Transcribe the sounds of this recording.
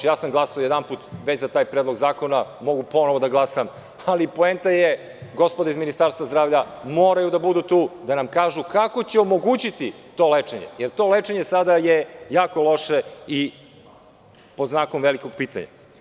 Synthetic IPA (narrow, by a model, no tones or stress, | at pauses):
jaːsamɡlˠasaojed̪anpuːt̪ʋet͡ɕzat̪aːjpɾed̪lo̞ɡzaːko̞namo̞ɡupo̞noʋo̞d̪aɡlˠasam | alipoent̪aje | ɡo̞spod̪aizminist̪aɾst̪ʋazd̪ɾaːvʎamoːɾajud̪abud̪uːt̪uːd̪anamkaːʒukako̞t͡ɕeomo̞ɡuːt͡ɕit̪it̪o̞ːlet͡ʂeɲḛjeɾt̪o̞let͡ʂeɲesad̪ajejaːko̞lˠo̞ʃei | po̞d̪znaːkomʋeliko̞ɡ̚piːt̪a̰ɲa̰